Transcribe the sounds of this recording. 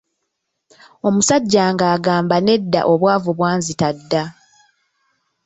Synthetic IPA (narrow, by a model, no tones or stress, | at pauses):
o̞musaɟːaːŋɡaːɡaːmbane̞dːa̰ʔo̞βwaːvuβwaːnzitadːa